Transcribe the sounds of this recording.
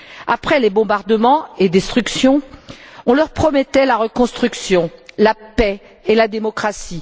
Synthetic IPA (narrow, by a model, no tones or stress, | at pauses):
apχɛlebɔ̃baʁd̪əmɑ̃ed̪est̪χyksjɔ̃ɔ̃lœʁpχɔmɛt̪ɛlaʁəkɔ̃st̪χyksjɔ̃lapɛ | elad̪emɔkχasi